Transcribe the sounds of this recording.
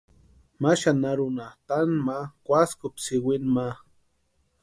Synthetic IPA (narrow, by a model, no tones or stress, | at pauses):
maʃanaɾʊnat̪anmakʷaskʊpsɪwɪnma